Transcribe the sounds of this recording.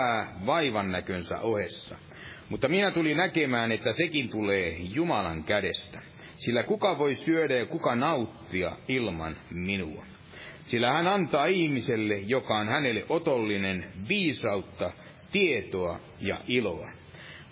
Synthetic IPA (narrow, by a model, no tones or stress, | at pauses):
æːʋɑiʋɑnːækønsæ̰ʔohesːɑ̰ | mut̪ːɑminæt̪ulinækemæːnet̪ːæsekint̪uleːjumɑlɑŋkæɾest̪æ | silːækukɑʋoisyøɾæjɑkukɑnɑut̪ːiɑ̰ilmɑ̰nminuɑ | silːæhænɑnt̪ɑːihmiselːejokɑonhænelːeʔot̪olːinenʋiːsɑut̪ːɑ | t̪iet̪oɑ | jɑ̰ʔilo̰ɑ̰